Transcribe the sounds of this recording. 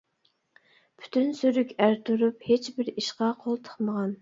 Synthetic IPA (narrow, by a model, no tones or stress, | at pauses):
pʰy̥t̪ʰynsyɾykʲæɾt̪ʰuɾuphet͡ʃbɪɾiʃqɑqʰolˠt̪ʰə̥χməʁɑn